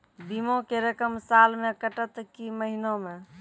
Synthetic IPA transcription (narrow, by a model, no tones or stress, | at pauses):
bimokeɾəkəmsalmekəʈət̪kiməɦinome